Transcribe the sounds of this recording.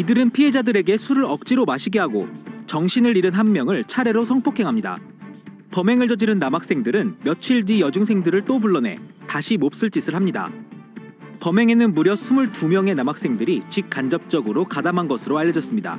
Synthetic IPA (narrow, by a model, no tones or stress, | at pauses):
idɯɾɯnpʰiɦe̞d͡ʑadɯɾe̞ɡe̞sʰuɾɯɾʌk̚t͡ɕ͈iɾomaɕʰiɡe̞ɦaɡo̰t͡ɕʌŋɕʰinɯɾiɾɯnɦanmjʌŋɯɭt͡ɕʰaɾe̞ɾosʰʌŋpʰokʰe̞ŋɦamɲida̰ | pʌme̞ŋɯɭd͡ʑʌd͡ʑiɾɯnːamak̚s͈e̞ŋdɯɾɯnmjʌt͡ɕʰiɭdijʌd͡ʑuŋsʰe̞ŋdɯɾɯɭt͈obuɭːʌne̞̰taɕʰimop̚s͈ɯɭt͡ɕ͈isʰɯɭɦamɲida̰ | pʌme̞ŋe̞nɯnmuɾjʌsʰumuɭtumjʌŋe̞namak̚s͈e̞ŋdɯɾit͡ɕik̚k͈and͡ʑʌp̚t͡ɕ͈ʌɡɯɾokadamanɡʌsʰɯɾoaʎjːʌd͡ʑʌs͈ɯmɲida̰